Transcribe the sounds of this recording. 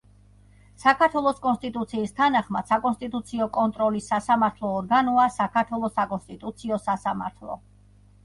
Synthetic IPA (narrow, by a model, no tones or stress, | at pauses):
sakʰaɾt̪ʰwɛlˠɔskʼɔnst̪ʼit̪ʼut̪sʰiːst̪ʰanaχmad̪̥sakʼɔnst̪ʼit̪ʼut̪sʰiɔkʼɔnt̪ʼɾɔlisːasamaɾt̪ʰlˠɔːɾɡanɔasakʰaɾt̪ʰwɛlˠɔsakʼɔnst̪ʼit̪ʼut̪sʰiɔsasama̰ɾt̪ʰlˠɔ̰